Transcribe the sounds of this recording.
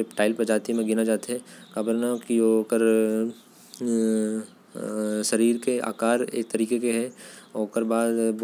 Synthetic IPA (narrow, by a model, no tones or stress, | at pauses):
eʈaːɪlpɐd͡ʒaːt̪imẽɡɪnad͡ʒaːt̪eɦɛkabəɾnakioːkəɾ | ʃɐɾiːɾkea̰ːkaːɾḛːk̚t̪ɐɾiːkekeɦɛoːkəɾbaːd̪